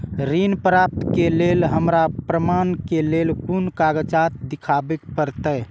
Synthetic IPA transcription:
ɾinpɾap̚t̪kelelɦəmɾapɾəmankelelkunkaɡət͡ʃat̪d̪ikʰabekpəɾt̪ə

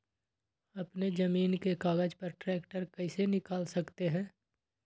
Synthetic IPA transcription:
ɐpned͡ʒɐmiːnkekaːɡəd͡ʒpɐɾʈɾɛːkʈəɾkɛɪsenɪkaːlsɐkt̪eɦɛ̃ː

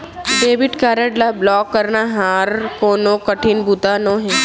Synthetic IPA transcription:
ɖebiʈkaɾəɖlablɔkːəɾnaɦãɾkonokəʈʰinbut̪anoɦe

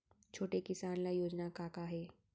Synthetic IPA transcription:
t͡ʃʰoːʈekɪsaːnlajoːd͡ʒnakaːkaɦɛː

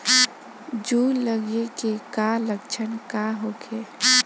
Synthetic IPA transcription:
d͡ʒuləɡekekaləɡ̚t͡ʃʰənkaɦoke

